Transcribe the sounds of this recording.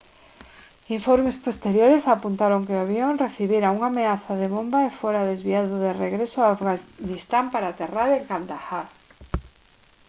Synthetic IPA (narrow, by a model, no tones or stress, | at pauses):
iɱfoɾmespost̪eɾjoɾesapunt̪aɾoŋkeaβjoŋreθiβiɾauŋameaθaðeβombaefoɾaðezβiaðʊðereɣɾesʊaːfɣanist̪ampaɾat̪eraɾeŋkald̪axaɾ